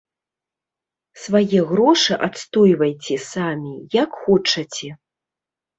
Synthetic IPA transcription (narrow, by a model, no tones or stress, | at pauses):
svajɛɣɾɔʂɨʔat̪st̪ɔjvɐjt͡sʲɛsamʲijakxɔt͡ʂɐt͡sʲɛ